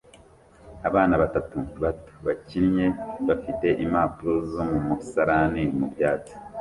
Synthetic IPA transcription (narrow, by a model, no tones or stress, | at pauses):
aβaːnaβatatuβatu̥βacinɲe̞βafite̞ʔimaːpuɾuzomumusaɾanimubjaːt͡si̥